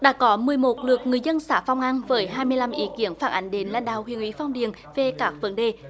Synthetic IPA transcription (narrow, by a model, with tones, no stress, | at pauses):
ɗa̰ː˧˥kɔ˨˦mɨ˨˩əjmo˨˩t̚lɨ˨˩ək̚ŋɨ˨˩əjzə˧nsaː˧˩fa˧wŋ͡mʔa˧nvəː˨˦jɦaː˧jmɨ˧əjla˧mʔi˨˦ki˨˦ənfaː˧˩nʔa˨˦jŋ̟ɗe˨˦nla̰ː˧˨nɗaː˧˨whwi˨˧˩ənʔwḭ˨˦fɔ˧wŋ͡mɗi˨ən | ve˨˩kaː˦˥k̚və˨˦nɗe˨˩